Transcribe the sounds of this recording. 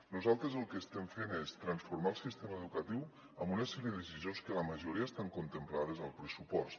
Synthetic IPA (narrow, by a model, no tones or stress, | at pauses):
nuzalˠt̪ɾəzəlˠkəːst̪ɛmfenest̪ɾənsfuɾmaəlˠsist̪eməːðukət̪iw | əmbunəsɛɾiəðəsizionskələməʒuɾiaəst̪aŋkunt̪əmplaðəzəlˠpɾəsupɔst̪